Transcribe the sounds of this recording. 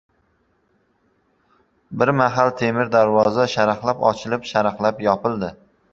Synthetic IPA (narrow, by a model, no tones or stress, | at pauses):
bɪɾmaɦalˠt̪ʰe̞mɪɾd̪aɾvɒzaʃaɾχlˠapɒ̰t͡ʃʰɪlɪpʃaɾχlˠapjɒpɪlˠd̪ɪ